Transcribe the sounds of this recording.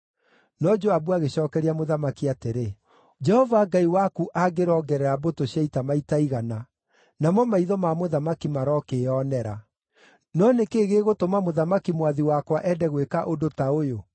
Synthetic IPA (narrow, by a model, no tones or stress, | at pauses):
nɔd͡ʒoabuaɣeɕɔːkɛɾiamoðamakiateɾe | d͡ʒɛhɔvaɡaiwakuʔaɡeɾɔɡɛɾɛɾabotoɕjaitamaitaiɣana | namɔmaiðɔmamoðamakimaɾɔkeɔnɛɾa | nɔnekeːɣeɣotomamoðamakimwaðiwakwaʔɛdɛɣwekaʔodotaojo